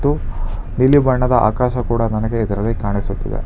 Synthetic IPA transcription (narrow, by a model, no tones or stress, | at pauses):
t̪ːu | nilibɐɳːɐd̪ɐʔa̰ːkaːʃɐkuːɽɐnɐnɐɡeːd̪ɐɾɐlːikaːɳisut̪ːḭd̪ḛ